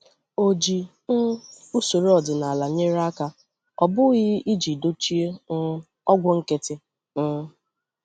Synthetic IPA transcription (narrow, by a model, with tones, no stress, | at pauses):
o˨d͡ʒi˨ | n̩˦ | u˦so˨ɾɔ˨dɪ˨na˨a˨la˨ɲe˦ɾa˦ka˦ | ɔ˨bʊ˦ɣɪ˦i˦d͡ʒi˨do˦t͡ʃi˦e˦ | ɔ˦ɡʷʊ˦ŋ̩˦ke˦tɪ˦ | n̩˦